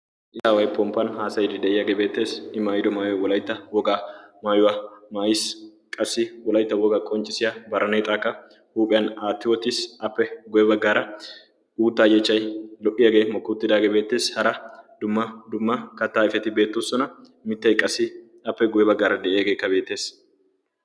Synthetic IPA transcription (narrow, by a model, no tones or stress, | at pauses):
ʔɪsaːwɐjpɔmpɐnhaːsɐjɪd̪ɪd̪ɛʔɪjɐɡɛbeːt̪ːe̞ːsɪmaːjɪd̪ɔmaːjʊwɐwɔlɐjt̪ːɐwɔɡamaːjʊwɐmaːjɪs | kʼɐsːɪwɔlɐjt̪ːɐwɔɡakʼɔnt͡ʃʼɪsɪjɐbɐɾɐneːt̪ʼaːkːɐ | huːpʼɪjɐnaːt̪ːɪwɔt̪ɪsɐpːɛɡʊjɛbɐɡːaːɾɐ | uːt̪ːaːjɛt͡ʃːɐjlɔʔɪjɐɡeːmɔkːuːt̪ːɪd̪aːɡebe̞ːt̪ːe̞ːshɐɾɐd̪ʊmːɐd̪ʊmːɐkɐt̪ːaːɪfɛt̪ɪbe̞ːt̪ːosɔnɐ | mɪt̪ːɐjkʼɐsɪ | ɐpːɛɡʊjɛbɐɡːaːɾɐd̪ɛʔɛjɐɡeːkːɐbe̞ːt̪ːe̞ːs